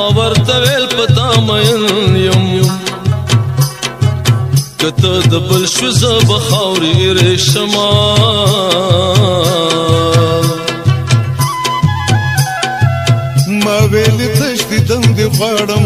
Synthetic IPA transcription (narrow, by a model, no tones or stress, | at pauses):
wɐɾt̪aweːlpət̪amɐjənjɐm | kət̪əd̪əbəlʃwizəbɐxawɾiɾeʃɐma | maweːlit̪ɐʃd̪id̪ɐnd̪eɣwɑːɽəm